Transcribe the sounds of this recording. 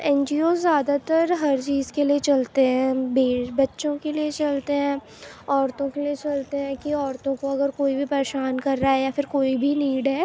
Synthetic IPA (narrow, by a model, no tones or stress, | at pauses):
ɛ̃ːnd͡ʒiːoːzːjaːd̪at̪ɐɾɦɐɾt͡ʃiːzkeliet͡ʃɐlt̪eɦɛ̃ːbeːbɐtːʃõkeliet͡ʃɐlt̪eɦɛ̃ː | ɔːɾt̪õkeliet͡ʃɐlt̪eɦɛ̃ːkiɔːɾt̪õkoɐɡəɾkoːibʱipɐɾeːʃaːnkɐɾːaɦɛjafɪɾkoːibʱiniːɖɦɛː